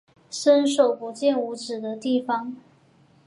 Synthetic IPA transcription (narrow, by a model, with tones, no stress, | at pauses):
ʂə˥nʂo˨˩ʊpu˧˥t͡ɕjɛ˥˩nu˧˥ʈ͡ʂɻ̩˨˩d̪ə˦t̪i˥˩fɑ˧˩ŋ